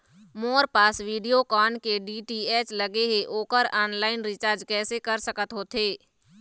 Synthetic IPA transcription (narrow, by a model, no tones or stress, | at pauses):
moːɾpaːsʋiːɖijokaːnkeɖiːʈiːɛːt͡ʃləɡeɦeʔoːkəɾɔːnlaːɪnɾɪt͡ʃaːɾd͡ʒkɛːsekəɾsəkət̪ɦoːt̪ɦeː